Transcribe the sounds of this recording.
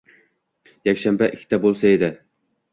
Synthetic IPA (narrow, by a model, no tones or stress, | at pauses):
jakʲʃambaʔɪkʲʰːt̪ʰabolˠsae̞d̪ɪ